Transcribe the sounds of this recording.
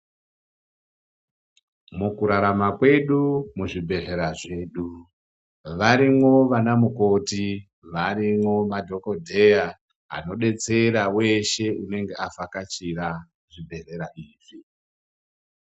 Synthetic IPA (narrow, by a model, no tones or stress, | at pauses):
mukuɾaɾamakwe̞ɗumuʐibʱe̞re̞ɾaʐe̞ːɗu | ʋaɾimo̞ʋanamuko̞ti | ʋaɾimwo̞madʱo̞ko̞dʱe̞ja | ɦa̰no̞ɗe̞t͡se̞ɾawe̞ʃe̞une̞ŋɡe̞afakat͡ʃiɾa | ʐibʱe̞re̞ɾaʔiːʐ̥i